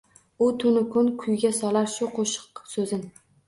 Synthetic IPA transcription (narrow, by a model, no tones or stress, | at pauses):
ʊt̪ʰʊnɪkʰʊnkʰʊjɡʲasɒlaɾʃʊqʰoʃɪ̥qsɵzɪn